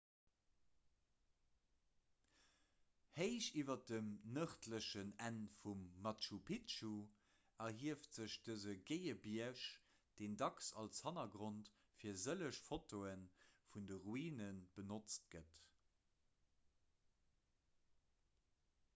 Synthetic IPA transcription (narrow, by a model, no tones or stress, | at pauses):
heɪʃiːvɐdəmnəχtləʃənænfumːɑtʃupʰitʃu | ɐɦiəftz̥əɕd̥əzəɡeɪəbiɐʃ | d̥eːndɑksɑlshɑnɐɡʁont | fiːɐzələʃfotoənfundəʁuiːnənb̥ənot͡st̚ɡ̥ət